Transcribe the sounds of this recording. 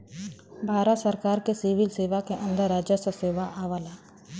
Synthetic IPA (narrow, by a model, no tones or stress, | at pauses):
bʱaːɾət̪səɾkaːɾkesiʋɪlseːʋakeʔə̃nd̪əɾaːd͡ʒəsəseːʋaʔaːʋalaː